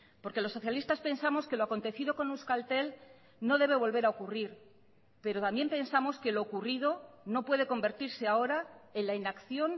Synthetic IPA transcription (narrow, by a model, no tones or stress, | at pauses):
po̞ɾke̞lo̞sːo̞θjalist̪aspe̞nsamo̞ske̞loako̞nt̪e̞θiðo̞ko̞nuskalt̪e̞l | no̞ðe̞β̞e̞β̞o̞lβe̞ɾaokuriɾ | pe̞ɾo̞t̪ambje̞mpe̞nsamo̞ske̞lo̞ːkuriðo̞no̞pwe̞ðe̞ko̞mbe̞ɾt̪iɾse̞ao̞ɾae̞nlainakθjo̞n